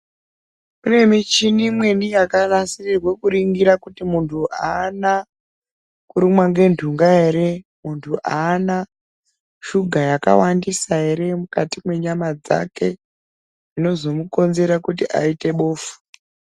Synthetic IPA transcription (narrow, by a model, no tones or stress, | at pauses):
mune̞mit͡ʃinimwe̞nijakarasirirwekuɾiŋɡiɾakutimuntʰuʔaːna | kuɾimwaŋɡe̞ndʱuŋɡaɦe̞ɾe̞ | muntʰuʔaːna | ʃuɡʱajaka̰wandisaɦe̞ɾe̞mukatimwe̞ɲamad͡za̰ke̞ | ino̞zo̞muko̞nze̞ɾakutiʔa̰ite̞ɓoːfu̥